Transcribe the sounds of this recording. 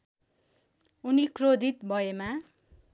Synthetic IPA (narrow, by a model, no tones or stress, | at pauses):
unikrod̪ʱit̪bʱʌema